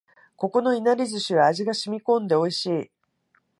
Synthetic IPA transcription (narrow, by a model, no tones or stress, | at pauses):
ko̞ko̞no̞inaɾʲizɨɕiβaːʑiɡaɕimʲikõ̞nd̪e̞o̞iɕiː